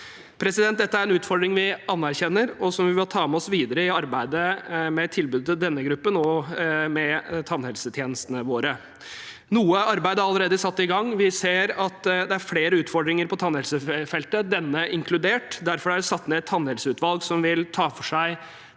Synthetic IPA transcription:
pʰɾɛsɪd̪ɛnt̪̚d̪ɛt̪ːəæɾɛnʉːt̪fɔɖɾɪŋʋɪɑnːæɾçɛnːəɾɔsɔmʋɪʋɪlt̪ʰɑːmɛɔsʋiːd̪əɾəɪɑɾbæɪd̪əmɛt̪ʰɪlbʉːd̪ət̪ɪd̪ɛnːəɡɾʉpːənomɛt̪ʰɑnhɛlsət̪ʰjeːnəst̪ənəʋoːɾə | nuːəɑɾbæɪd̪əɾɑlːəɾeːd̪əsɑt̪ːɪɡɑŋːʋɪseːɾɑt̪d̪ɛæɾfleːɾəʉːt̪fɔɖɾɪŋəɾpʰɔt̪ʰɑnhɛlsəfɛlt̪əd̪ɛnːəʔɪŋkʰlʉd̪eːʈd̪æɾfɔɾæɖsɑt̪ːnɛːɛt̪ʰːɑnhɛlsəʉːt̪ʋɑlɡsɔmʋɪlt̪ʰɑːfɔʂæɪ

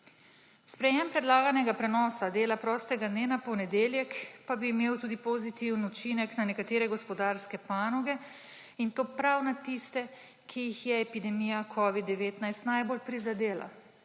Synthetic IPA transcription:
spɾɛjɛmpɾɛd̪laːɡanɛɡapɾɛnɔːsad̪eːlapɾɔːst̪ɛɡad̪neːnapɔnɛd̪eːljɛkpabiːmeːwt̪uːd̪ipozit̪iwnut͡ʃinɛknanɛkat̪eːɾɛɡɔspɔd̪aɾskɛpaːnɔɡɛ | int̪oːpɾawnat̪ist̪ɛ | kʰijixjɛːpid̪ɛmijakʰɔːʋid̪ːɛʋeːt̪najst̪najbolpɾizad̪eːla̰

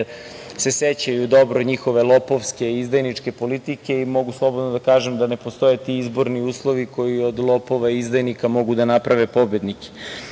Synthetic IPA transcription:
se̞set͡ɕajud̪o̞bɾod̪ɲixo̞ʋe̞lˠopoʋske̞izd̪ajnit͡ʂke̞po̞lit̪ike̞imo̞ɡuslˠo̞bod̪nod̪akaːʒemd̪ane̞post̪o̞jet̪iizbo̞ɾniuːslˠo̞ʋiko̞jiod̪lˠopo̞ʋaizd̪ajnikamo̞ɡud̪anapɾaʋepo̞bjed̪nike̥

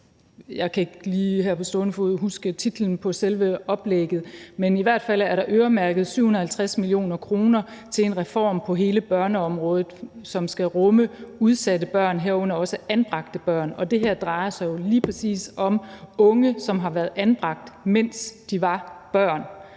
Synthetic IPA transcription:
jɑ̈ɪkʰæe̝ɡ̥liːɦæɐpʰɒ̽sd̥ɔnəfuð̰ˠɦusɡ̥ət͡sʰid̥ln̩pʰɒ̽selʋəɒ̽b̥leɡ̥ð̞̩ˠmeniʋæɐ̰d̥fæl̰æɐɾɑ̈ʔøːɐmæɐɡ̥ð̞̩ˠsyʊhun̩ˠhælt͡sʰʁasmilio̝̰ːnɐkʰʁo̝ːnɐt͡sʰe̝le̝nʁɛfɒ̰ːmpʰɒ̽ɦe̝ːləb̥ɶɐnəɒ̽mʁɔ̽ːð̞̩ˠsɒ̽msɡ̥æʁɔ̽məuð̞ˠsædəb̥ɶɐ̰nɦeɐɔ̽n̰ɐɒ̽səænb̥ʁɑ̈ɡ̥d̥əb̥ɶɐ̰nɒ̽d̥e̝ɦæɐ̰d̥ʁɑ̈ɪɐsɑ̈ɪjo̝liːpʰʁɛsḭːsɒ̽mɔ̽ŋəsɒ̽mɦɑ̈ʋæɐð̩ˠænb̥ʁɑ̈ɡ̥̚d̥men̰sd̥iʋɑ̈b̥ɶɐ̰n

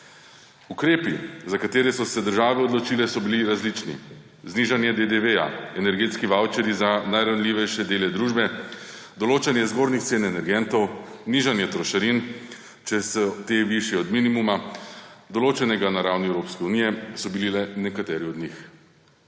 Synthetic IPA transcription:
ukɾeːpizakat̪eːɾɛsɔsɛd̪əɾʒaːʋɛɔd̪lɔt͡ʃiːlɛsɔbiliɾazlit͡ʃnḭ | zniːʒanjɛd̪ed̪eʋeja̰ɛnɛɾɡeːt̪skiʋawt͡ʃɛɾjizanajɾawnliʋɛjʃɛd̪eːlɛd̪ɾuːʒbɛ | d̪ɔloːt͡ʃanjɛzɡoːɾnixt̪seːnɛnɛɾɡɛnt̪ɔw | niʒanjɛt̪ɾɔʃaɾin | t͡ʃɛsɛt̪eʋiʃjɛɔd̪minimuma | d̪ɔloːt͡ʃɛnɛɡanaɾawniɛwɾoːpskɛunijɛsɔbililɛnɛkat̪ɛːɾiɔd̪nix

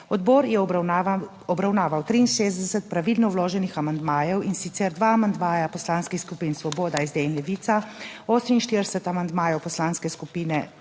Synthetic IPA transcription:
ɔd̪bɔːɾjɛ | ɔbɾawnaːʋawt̪ɾiːnʃezd̪d̪ɛsɛt̪̚pɾaʋilnɔwloːʒɛnixamand̪maːjɛwinsit̪sɛɾd̪ʋaːmand̪maːjapɔslaːnskixskupiːnsʋɔboːd̪aizd̪enlɛʋiːt̪saoːsɛminʃt̪iɾd̪ɛsɛt̪amand̪maːjɛwpɔslaːnskɛskupiːnɛ

